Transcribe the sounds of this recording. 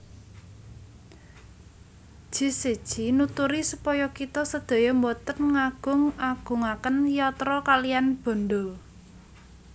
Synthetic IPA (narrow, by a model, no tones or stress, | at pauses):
ʒ̥i̤sed̥ʒ̥inut̪uɾisupɔjɔkit̪ɔsəd̪̥a̤jɔmbɔt̪ənŋaɡ̥ʊ̤ŋaɡ̥ʊ̤ŋakənjɔt̪ɾɔkalijanb̥ɔ̤nd̪ɔ